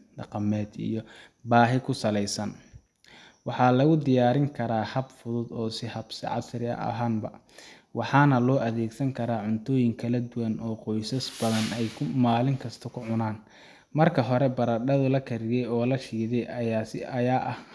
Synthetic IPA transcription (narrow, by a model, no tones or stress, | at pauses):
ɖɑqɑmɛːd̪ḭjɔ | baːɦɪkʰʊsɐlɛjsɐn | wɑħɑːlɐɣʊd̪ɪjaːɾɪŋkʰɐɾaːhɐbfʊðʊd̪ɔːsɪhɐb̥sɪ̰ʕɑ̰sɾɪɐ̰ʔɐ̰ɦaːnbɐ̰ | wɑħɑːnɐlɔːʔɐðɛːɡsɐŋkʰɐɾaːʕʊnt̪ʰɔːjɪŋkʰɐlɐd̪ʊwɐnɔːqɔjsɐsbɐðɐnɛjkʰʊmaːlɪŋkʰɐst̪ʰɔkʰʊʕʊnaːn | mɐrkʰɐɦɔɾɛbɐɾɐɖɐðʊlɐkʰɐɾɪɣɛjɔːlɐʃiːðɛjʔɐjaːsɪ̰ʔɐjaːʔɐh